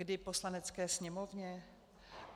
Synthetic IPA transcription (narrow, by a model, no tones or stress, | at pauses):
dɪpo̞slanɛt͡skɛːsɲɛmo̞vɲɛ